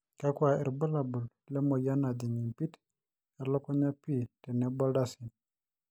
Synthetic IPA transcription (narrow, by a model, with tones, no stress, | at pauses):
ka˦kwʷa˨ɛ̰˨ɾbə˦la˨bu˨l | lɛ˦mo˨ja˦na˨d̪i˨ɲi˨mpi˦t | ɛ˨ɾlɔ˦kɔ˦ɲa˦pi˦˨te˨ne˨˦bɔ˦lda˦si˨n